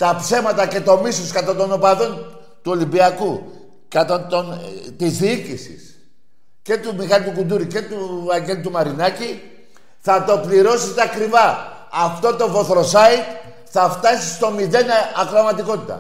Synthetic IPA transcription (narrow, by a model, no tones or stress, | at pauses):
t̪ɐpse̞mɐt̪ɐce̞t̪o̞misoskɐt̪ɐt̪o̞no̞pɐðo̞n | t̪uo̞limbiɐku | kɐt̪ɐt̪ont̪izðiicisḭs | ce̞t̪umixɐlit̪ukund̪uɾice̞t̪uɐɲɟe̞lut̪umɐɾinɐci | θɐt̪o̞pliɾo̞set̪eɐkɾivɐːft̪o̞t̪o̞vo̞θɾo̞sɐit̪ | θɐft̪ɐsist̪o̞miðe̞nɐkɾomɐt̪iko̞t̪it̪ɐ̰